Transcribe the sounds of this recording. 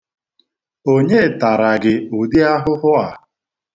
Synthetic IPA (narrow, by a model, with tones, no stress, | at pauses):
o˦ɲe˦˨ta˨ɾa˨ɡɪ˨ʊ˨di˦a˦ɦʊ˦ɦʊ˦a˨